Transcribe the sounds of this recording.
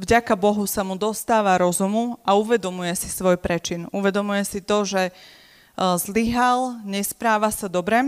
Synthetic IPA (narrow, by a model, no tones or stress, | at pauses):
vɟakabɔɦusamud̪ɔst̪aːʋaɾɔzumuauʋɛd̪ɔmujɛsi̥sʋɔjpɾɛt͡ʃinuʋɛd̪ɔmujɛsit̪ɔʒɛ | zliɦalɲɛspɾaːʋasad̪ɔbɾɛ